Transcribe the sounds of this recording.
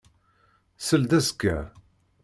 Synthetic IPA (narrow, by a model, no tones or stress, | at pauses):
səld̪æskːæ̰